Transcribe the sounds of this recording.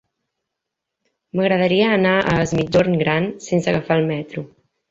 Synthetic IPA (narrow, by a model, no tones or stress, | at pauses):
məɣɾəðəɾiəːnaʔə̰zmid͡ʒoɾnɡɾansensəɣəfaːlˠmɛt̪ɾu